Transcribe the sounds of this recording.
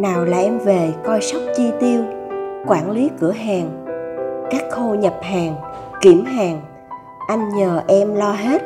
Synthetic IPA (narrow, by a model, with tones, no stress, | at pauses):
naː˨˩wlaː˨˩ʔɛ˧mve˨˩kɔ˧jsa˦˥wk͡p̚t͡ɕi˧t̪i˧əwkwaː˧˩nli˨˦kɨ˧˩əɦaː˨˩ŋ | kaː˦˥k̚xo˧ɲə˨˩p̚haː˨˩ŋki˧˩əmɦaː˨˩ŋ | ʔa˧jŋ̟ɲəː˨˩ʔɛ˧mlɔ˧ɦe˦˥t̚